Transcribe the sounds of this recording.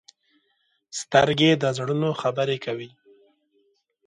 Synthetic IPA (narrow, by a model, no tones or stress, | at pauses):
st̪əɾɡed̪əzɽunoxabəɾekawi